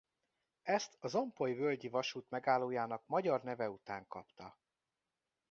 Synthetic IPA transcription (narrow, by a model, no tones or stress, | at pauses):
ɛst̪ɒzo̞mpojvølɟivɒʃuːt̪mɛɡaːlːoːjaːnɒkmɒɟɒrnɛvɛut̪aːŋkɒpt̪ɒ